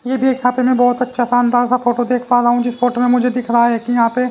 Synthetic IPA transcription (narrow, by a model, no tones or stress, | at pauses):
jeːbʱieːkjãːpemɛ̃bɔːt̪ɐtːʃʰasaːnd̪aːlsafoːʈod̪eːkʰpaːɾaɦũd͡ʒɪsfoːʈomẽmʊd͡ʒʱed̪ɪkʰɾɐɦaɦɛːkijɐɦãːpe